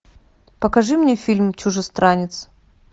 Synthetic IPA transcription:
pəkɐʐɨmnʲeɛfʲilʲmt͡ɕʊʐɨst̪ɾanʲɪt̪s

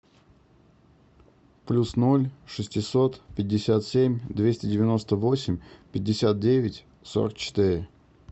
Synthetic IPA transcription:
plʲusno̞lʲʂɨsʲtʲɪso̞t̪pʲɪdʲːɪsʲat̪sʲemʲd̪vʲesʲtʲɪdʲɪvʲɪno̞st̪əvo̞sʲɪmʲpʲɪdʲːɪsʲat̪̚dʲevʲɪtʲ | so̞̰ɾə̰k̚t͡ɕɪ̥t̪ɨɾʲɪ

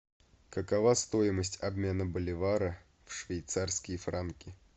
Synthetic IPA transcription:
kəkɐvast̪ojɪməsʲtʲɐbmʲenəbəlʲɪvaɾə | fʂvʲɪjt̪sarskʲɪjəfɾankʲɪ

